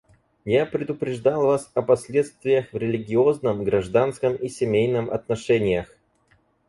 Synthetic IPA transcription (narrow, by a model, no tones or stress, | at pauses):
japɾʲɪd̪ʊpɾʲɪʐd̪alˠvasɐpɐsʲlʲet̪st̪vʲɪjəxvɾʲɪlʲɪɡʲɪoznəmɡɾɐʐd̪anskəmisʲɪmʲejnɨmɐ̰t̪nɐʂɛnʲɪjəx